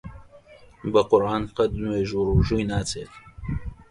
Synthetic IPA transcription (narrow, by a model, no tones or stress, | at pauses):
bɐqʊɾʔaːnqɐd̪nweːʒuːɾuːʒujnaːt͡sʰeːt̪